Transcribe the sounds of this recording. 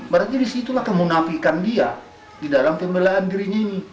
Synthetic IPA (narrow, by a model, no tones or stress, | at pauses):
məɾat̪idisit̪ulahkəmunafikandia | didalampemelaːndiɾiɲaini